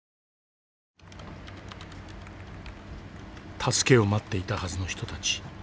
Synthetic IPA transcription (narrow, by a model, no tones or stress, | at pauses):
t̪ʰasɨ̥ke̞o̞mat̪ːe̞it̪ahazɨno̞çi̥t̪o̞t̪at͡ɕi̥